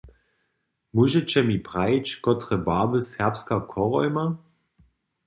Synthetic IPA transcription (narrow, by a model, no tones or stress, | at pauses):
muʒɛt͡ɕɛmipʁat͡ɕkɔtʁɛbaːbəsɛɐpskakʰɔʁɔjma